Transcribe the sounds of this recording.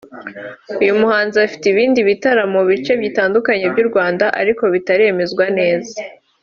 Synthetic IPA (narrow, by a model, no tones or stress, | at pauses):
ujumuhaːnziafi̥tiβiːndiβitaɾamuβit͡ʃe̞bjiːtaːndukaɲe̞bɟuɾɡwaːndaʔa̰ɾiko̞βitaɾieme̞zɡwane̞ːza